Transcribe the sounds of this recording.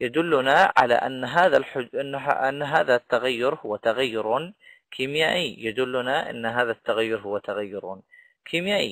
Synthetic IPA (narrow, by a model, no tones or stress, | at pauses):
jad̪ʊlːʊnaʕa̰la̰ʔanːɦaːðalħʊnːʔanːɦaːðat̪ːaɣajːʊɾhʊwːat̪aɣajːʊɾun | kʰimjaːʔijad̪ʊlːʊnaʔɪ̰nːɦaːðat̪ːaɣajːʊɾɦʊwːat̪aɣajːʊɾuːn | kʰiːmjaːʔḭ